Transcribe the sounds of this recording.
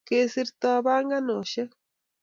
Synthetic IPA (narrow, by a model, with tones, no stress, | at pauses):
ke˦si˦ɾt̪a˦βa˦ŋɡa˦no˨ʃe˦